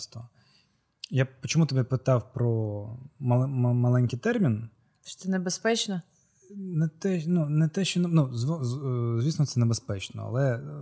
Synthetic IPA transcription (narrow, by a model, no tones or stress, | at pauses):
st̪ɔ | japɔt͡ʃɔmut̪ɔbɛpɪt̪ɑwpɾɔmɐɛmɐlˠɛnʲkɪjt̪ɛrmʲin | ʃt̪sɛnebespɛt͡ʃnɔ | nɛt̪ɛnunɛt̪ɛʃt͡ʃɔnnuzʋɔzʲʋʲisnɔt̪sɛnebespɛt͡ʃnɔ̰ɐ̰lˠɛ